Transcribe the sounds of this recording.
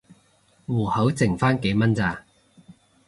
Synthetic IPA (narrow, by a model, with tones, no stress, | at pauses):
wuː˨˩hɐ˨˥wt͡sɪ˨˩ŋfaː˥nke˨˥jmɐ˥nt͡saː˧